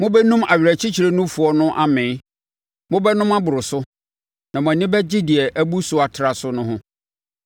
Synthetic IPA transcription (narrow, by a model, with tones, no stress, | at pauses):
mʊ̃˦bɛ˦nũ˦ma˨ɥᶣæ˨t͡ɕʰi˦t͡ɕʰi˨ɾe˦nʊ̃˦fu˨ɔ˦nʊ̃˦ʔa˦mɪ̃ː˨˦ | mʊ̃˦bɛ˦nʊ̃˦ma˦bʊ˨ɾʊ˨sʊ˦ | nã˨m̃˨nɪ̃˦bɛ˦d͡ʑɪ˦dɪ˨ɛ˨ʔæ˦bu˦sʊ˨a˨tʰɾa˨sʊ˦nʊ̃˦ɦʊ̃˦